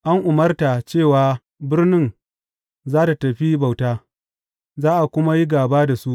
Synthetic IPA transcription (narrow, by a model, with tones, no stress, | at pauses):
ʔa˦ŋʔʊ˨mɐ˦rta˨t͡ʃeː˦˨waː˨ | bɪ˦rnɪ˦n | zaː˦ta˨tɐ˨ɸi˦ba˨wtaː˦ | zaː˦ʔa˨kʷʊ˦ma˦ji˦ɡaː˨baː˦da˨su˦ʔ